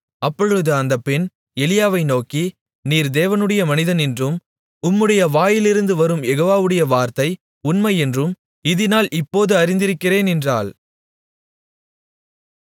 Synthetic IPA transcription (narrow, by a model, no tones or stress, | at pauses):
ɐpːɔɻɯðɯɐnd̪ɐpːɪn | ɛlɪjaːʋɐɪnoːki | niːɾd̪eːʋɐnɯɽɐjɐmɐnɪðɐnɛndrɯm | ʊmːɯɽɐjɐʋaːjɪlɪɾɯnd̪ɯʋɐɾɯmjɛɣoːʋaːʋɯɽɐjɐʋaːɾt̪ɐɪ | ʊnmɐɪɛndrɯm | ɪðɪnaːlʔɪpːoːðɯɐɾɪnd̪ɪɾɯkːɪreːnɛndra̰ːl